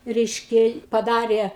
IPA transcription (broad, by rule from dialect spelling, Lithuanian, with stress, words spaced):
ˈrʲɛɪʃʲkʲɛ pɐˈdɑːrʲeː